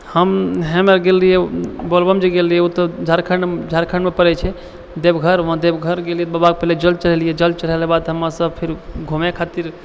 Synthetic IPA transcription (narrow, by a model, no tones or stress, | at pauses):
həmɦemeɡelɾijɛbolbəmd͡ʒeɡelːijɛut̪əd͡ʒʱaɾkʰəɳd͡ʒʱaɾkʰəɳɖmepəɾɛt͡ʃʰɛ | d̪ebɡʱəɾʋəãd̪ebɡʱəɾɡelijɛt̪babakepɛɦled͡ʒəlt͡ʃəɾɦɛlijɛd͡ʒəlt͡ʃəɾɦɛlbad̪ɦəmːasə̃bpʰiɾɡʱomekʰat̪iɾ